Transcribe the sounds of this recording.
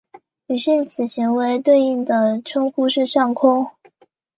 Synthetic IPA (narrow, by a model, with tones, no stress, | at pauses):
ny˨˩ɕi˥˩nt͡sʰɹ̩˨˩ɕi˧˥ŋwe˧˥ɪt̪we˥˧ɪi˥˩ŋd̪ə˩ʈ͡ʂʰɤ˥ŋxu˥ʂɻ̩˥˧ʂɑ˥˩ŋkʰʊ˥ŋ